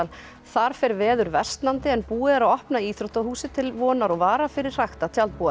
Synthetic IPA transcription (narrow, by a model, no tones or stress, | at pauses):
al | θaɾ̥fɛɾvɛːðʏɾvɛ̥st̪nant̪ɪɛnpuːɪðɛɾaɔhpnaiːθɾowht̪ahuːsɪt̪ʰɪlvɔːnaɾɔɣvaːɾafɪɾɪr̥r̥axt̪at̪ʰjalt̪̚puːa